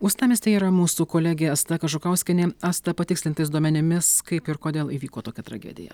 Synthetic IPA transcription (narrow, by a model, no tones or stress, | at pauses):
ʊst̪ɑːmʲɪst̪ʲɛiːɾɐmuːsuːkoːlʲæɡʲeːɐst̪ɐkɐʒʊkɐʊsʲkʲɪnʲeːɐst̪ɐpɐt̪ʲɪksʲlʲɪnt̪ɐɪsd̪uɔmʲɛnʲɪmʲɪskɐɪpɪɾkoːd̪ʲeːlˠiːʋʲiːkoːt̪oːkʲɛt̪ɾɐ̰ɡʲɛ̰ːd̪ʲɪ̰jɛ̰